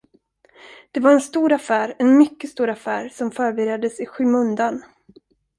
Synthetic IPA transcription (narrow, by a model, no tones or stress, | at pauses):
d̪̥ɛvaɾɛnst̪uːɾafæːɾɛnmʏkːəst̪uːɾafæːɾsɔmfœːɾbɪɾjad̪ːəsɪɧʉ̟ːmɵnd̪an